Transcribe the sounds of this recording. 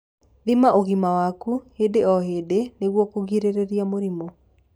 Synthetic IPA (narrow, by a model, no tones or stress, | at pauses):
ðimaʔoɣimawakuhedeɔɦedeneɣwɔkoɣiɾeɾeɾiamoɾimɔ